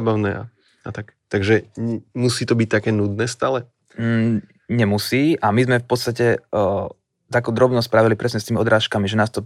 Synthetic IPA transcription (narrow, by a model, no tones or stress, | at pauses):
baʊnɛːa̰ | at̪akt̪aɡʒɛmusiːt̪ɔbic̚t̪akɛːnud̪nɛːst̪aːlɛ | ɲɛmusiːʔamizmɛfpɔt̪st̪acɛ | t̪aːkuːd̪ɾɔbnɔspɾaːʋilipɾɛsɲɛst̪iːmiɔd̪ɾaːʃkamiʒɛnaːst̪ɔ